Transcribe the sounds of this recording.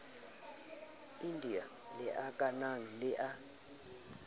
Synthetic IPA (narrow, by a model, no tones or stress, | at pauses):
indʱia | lɛʔakʼanaŋ̩lɪʔa